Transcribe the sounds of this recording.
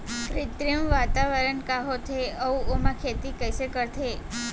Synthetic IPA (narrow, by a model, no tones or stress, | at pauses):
kɾɪt̪ɾijəmʋat̪aʋəɾənkaɦot̪ʰeəũomãkʰet̪ikəjsekəɾt̪ʰe